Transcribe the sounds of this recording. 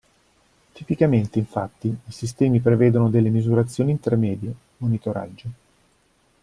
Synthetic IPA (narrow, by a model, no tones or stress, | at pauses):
t̪ipikament̪eiɱfat̪ːiːsist̪ɛːmipɾeveːd̪onod̪elːemizuɾat̪sːjoːniːnt̪ermɛːd̪je | monit̪oɾa̰d͡ʒːo